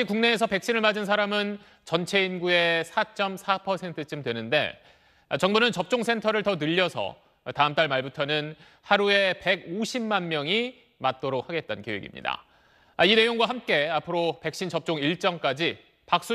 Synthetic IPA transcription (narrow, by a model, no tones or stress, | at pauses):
ikuŋne̞ːsʰʌpe̞k̚ɕ͈inɯɭmad͡ʑɯnsʰaɾamɯn | t͡ɕʌnt͡ɕʰe̞inɡue̞sʰat͡ɕ͈ʌmsʰapʰʌsʰe̞ntʰɯt͡ɕ͈ɯmdwe̞nɯnde̞̰ | at͡ɕʌŋbunɯnt͡ɕʌp̚t͡ɕ͈oŋsʰe̞ntʰʌɾɯɭtʌnɯʎːʌsʰʌ̰ | taɯmt͈aɭmaɭbutʰʌnɯn | haɾue̞pe̞ɡoɕʰimːanmjʌŋi | mat̚t͈oɾok̚haɡe̞t̚t͈ankeweɡḭmɲḭda̰ | aine̞joŋɡwaɦamk͈e̞apʰɯɾope̞k̚ɕ͈int͡ɕʌp̚t͡ɕ͈oŋiɭt͡ɕ͈ʌŋk͈ad͡ʑi | pak̚s͈u